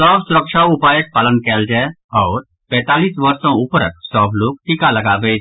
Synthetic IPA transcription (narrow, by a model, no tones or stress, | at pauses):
sɔːbsʊɾəkʃaʊpaːjək̚paːlənkɛːld͡ʒaː | ɔːɾ | pɛ̃ːt̪aːliːsʋəɾsɔ̃ʊpɾəksɔːbloːk̚ʈikalɐɡaːʋe